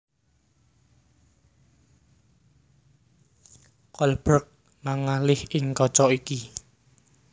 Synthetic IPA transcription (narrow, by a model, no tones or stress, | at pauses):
kɔlb̥ɾək̚ | maŋalɪhɪŋkɔt͡ʃɔiki